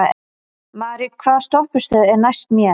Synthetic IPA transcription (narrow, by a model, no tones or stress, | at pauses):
maːɾikkʰvaːðst̪ɔhpʏst̪œːðɛɾnajst̪mjɛ